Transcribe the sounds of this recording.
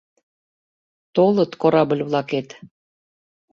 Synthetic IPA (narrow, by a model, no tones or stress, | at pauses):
t̪olˠɤ̆t̪koɾɑbə̆lʲβlˠɑket̪